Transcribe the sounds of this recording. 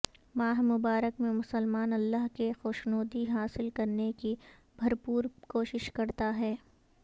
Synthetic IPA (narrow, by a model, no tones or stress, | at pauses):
maːɦmʊbaːɾəkmẽmʊsəlmaːnɐlːaɦkexoːʃnoːd̪iɦaːsɪlkɐɾneki | bʱɐɾpuːɾkoːʃɪʃkɐɾt̪aɦɛː